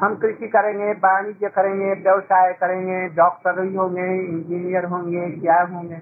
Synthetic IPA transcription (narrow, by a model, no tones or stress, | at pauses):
ɦəmkɾɪsikəɾẽːŋɡebaːnid͡ʒekəɾẽŋɡebjɐʋsaːjkəɾẽːŋɡeɖɔːk̚ʈəɾbʱiɦõːŋɡeɪ̃nd͡ʒinijəɾɦõːŋɡekjaɦõːŋɡe